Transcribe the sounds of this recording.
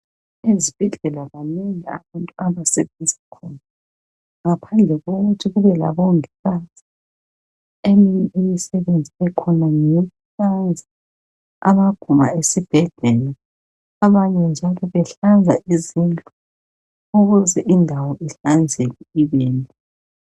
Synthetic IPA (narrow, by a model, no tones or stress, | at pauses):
ezib̥ʱɛɮɛlaɣanɛŋaa̰βantʼuaβaseβenzikʰɔna | ŋapʰand͡ɮʱɛɣoɣutʰiɣuβɛla̰βɔŋisazi̥ | emiiimisɛβend͡zʱiɛkʰɔnaŋeuɬand͡zʱa | a̰βaɡ̥ʱuma̰esib̥ʱɛɮɛlɛ | aβaɲɛnd͡ʒʱalɔβɛɬand͡zʱaʔizintʼɔ | oɣuzɛʔindʱawɔʔiɬand͡zʱekiiβeːnʼɔ